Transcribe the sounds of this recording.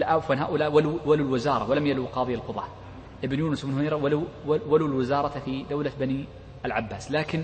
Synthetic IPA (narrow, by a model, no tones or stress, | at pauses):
lʔawfwanɦa̰ːʔʊlaːʔwaluwalulwɪzɑːɾˤɑwalamjaluqɑːðˤɪjalqʊðˤɑ | ʔɪbnjuːnʊsmɪnhʊneɾˤwaluwwalulwɪzɑːɾˤɑt̪fid̪awlabani | alʕabːaːslaːkɪn